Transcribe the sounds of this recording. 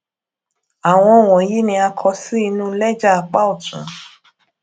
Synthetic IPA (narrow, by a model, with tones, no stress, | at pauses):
a˨w̃ɔ̃˧˨w̃ɔ̃˨ji˦nĩ˧a˧kʰɔ˧si˦i˧nũ˦lɛ˦d͡ʒa˦a˨k͡pa˦o˦˨tṵ̃˨˦